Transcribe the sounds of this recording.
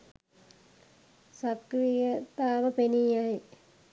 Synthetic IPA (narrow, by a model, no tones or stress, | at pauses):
sɐkrijɐt̪aːʋɐpenijaːji